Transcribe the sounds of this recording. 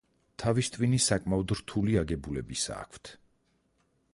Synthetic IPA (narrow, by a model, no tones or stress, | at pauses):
t̪ʰavist̪ʼvinisakʼmaɔd̪ɾt̪ʰuliaɡɛbulɛbisa̰ːkʰt̪ʰ